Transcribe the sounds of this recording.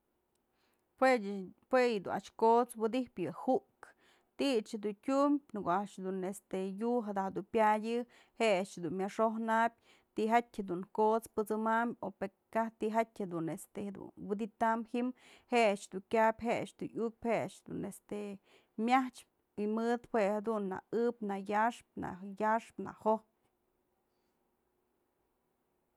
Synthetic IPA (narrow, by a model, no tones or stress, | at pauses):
pwepwejɨd̪ṵna̰ʂkot͡swɨd̪ipjɨhuʔk | t̪iʔt͡ʃhed̪untʲumbʲnɨkoaʔʂd̪unest̪ejuɦad̪ahd̪upjajʲɨ | heat͡ʃhed̪unmʲaʂohnabʲ | t̪iɦatʲhed̪uŋkot͡spɨt͡sɨmambʲope | kaht̪iɦatʲhed̪unest̪ehed̪ṵnwɨd̪it̪amhim | heat͡ʃd̪uŋkʲapʲɦeat͡ʃd̪uuk̚phet͡ʃhed̪ṵnest̪e | mʲjaht͡ʃp̚ | imɨd̪hwehad̪unːa̰ɨpnajaʂp̚na̰jaʂpna̰hohp